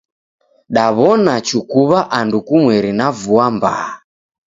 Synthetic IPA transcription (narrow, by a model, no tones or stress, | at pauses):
ɗaβɔnat͡ʃukuβaʔandukumwɛɾinavuamba̰ː